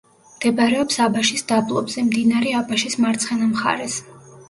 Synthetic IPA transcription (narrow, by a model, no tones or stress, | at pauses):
md̪̥ɛbaɾɛɔpsabaʃisd̪̥ablˠɔbz̥ɛmd̪inaɾɛabaʃismaɾt̪sʰχɛnamχa̰ɾɛs